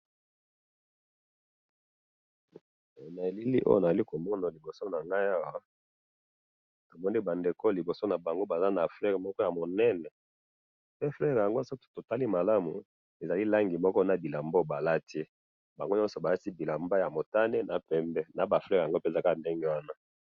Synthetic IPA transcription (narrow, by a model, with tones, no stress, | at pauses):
na˨e˨li˦li˦ʔo̰˦jo˦na˨za˨li˦ko˨mɔ˦na˨li˨bo˨so˦na˨ŋɡa˦ja˦wa˦ | to˨mɔ˦ni˦ba˨nde˨ko˦li˨bo˨so˦na˨ba˨ŋɡo˦ba˨za˦na˨flɛ˦ʁmɔ˦kɔ˦ja˨mo˨nɛ˦nɛ˨ | pe˦flɛ˦˨ʁja˨ŋɡo˦so˦tto˨ta˦li˦ma˨la˦mu˨ | e˨za˨li˦la˦ŋɡi˨mɔ˦kɔ˦na˨bi˨la˨mbo˦ba˨la˦ti˦ | ba˨ŋɡo˦ɲɔ˦sɔ˨ba˨ja˦ti˦bi˨la˨mba˦ja˨mo˨ta˦ne˦na˨pɛ˨mbɛ˦na˨ba˨flɛ˦ʁa˨ŋɡo˦pe˦˨za˨ka˦˨nde˦ŋɡe˦wa˦na˦